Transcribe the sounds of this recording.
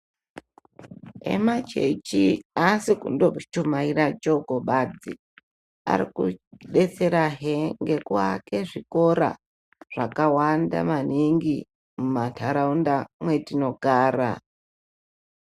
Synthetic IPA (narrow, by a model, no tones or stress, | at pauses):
ḛmat͡ʃḛt͡ʃiasikṵndot͡ʃumairad͡ʒokoɓad͡zi | a̰ɾikuɗet͡seɾaɦeŋɡe̞kwake̞ʐiko̞ɾa̰ | ʐ̥akawanda̰maniŋɡi | mumantʰaɾaundamwetino̞ɡaːɾa̰